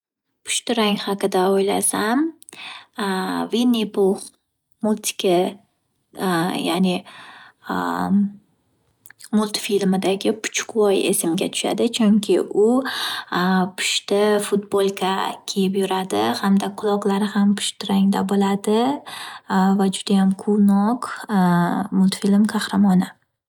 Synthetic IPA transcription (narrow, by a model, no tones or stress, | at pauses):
pʰʊ̥ʃt̪ɪɾaŋhɑqɨd̪aojla̰sam | vinːipoχ | mʊlˠt̪ʰɪ̥kʰʲa | ja̰nɪ | mʊlˠt̪filmɪd̪aɡʲɪpʰʊ̥t͡ʃʰʊ̥kwɒje̞̰sɪmɡʲat̪ʰʊ̥ʃa̰d̪ɪt͡ʃʰʊŋkʲʰɪʔʊ | pʰʊ̥ʃt̪ɪfʊt̪bolˠkʲʰakʲʰe̞jɪpjʊɾad̪ɪ̰hamd̪aqʰʊlˠɒqlˠaɾɪhampʰʊ̥ʃt̪ɪɾaŋd̪a̰bolad̪ɪ | vad͡ʒʊd̪ajamqʰʊnɒq | mʊlˠt̪filmkʰɑhɾamɒnɪ